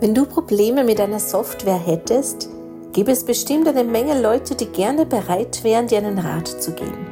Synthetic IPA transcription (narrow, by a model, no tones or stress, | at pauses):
vɛnduːpʁ̥obleːməmɪt̚d̥aɪnɐzɔftv̥ɛːɐɦɛtʰəst | ɡ̥iːbəɛsb̥əʃtɪmtʔaɪnəmɛŋəlɔʏtʰədiːɡɛɐnəbəʁaɪtv̥ɛːʁ̞əndiːɐaɪnənʁa̰ːtt͡suɡḛːbm̩